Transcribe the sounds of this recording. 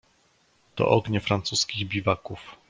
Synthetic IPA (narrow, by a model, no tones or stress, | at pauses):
t̪ɔ̰ʔɔɡɲɛfɾant̪suskʲiɣbʲivakuf